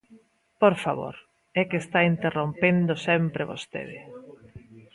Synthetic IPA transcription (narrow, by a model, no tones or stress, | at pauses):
poɾfaβo̰ɾ | ɛkest̪aint̪erompend̪osɛmpɾeβo̰st̪ḛðe